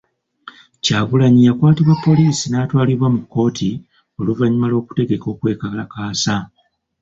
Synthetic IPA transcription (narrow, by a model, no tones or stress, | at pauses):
caːβulaɲijakwaːtiβwepːo̞liːsinaːtwaːliβwamukːo̞ːtʰi | o̞luvaɲimalwo̞ːku̥te̞ɡe̞ko̞ːkwe̞ːkalakaːsa